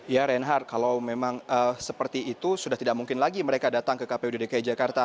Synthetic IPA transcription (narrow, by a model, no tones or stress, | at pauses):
jaɾɛnɦar̚kalawmemaŋəsəpərt̪iːt̪usudaht̪idaʔ̚muŋkɪnlaɡiməɾekadat̪aŋkəkapeudidikajid͡ʒakart̪a